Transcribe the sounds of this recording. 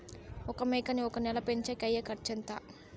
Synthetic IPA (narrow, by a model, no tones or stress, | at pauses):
ɔkɐmɛːkɐniɔkɐnɛlɐpeɲt͡ʃɐkɐjːɐkɐɾt͡ʃɐnt̪a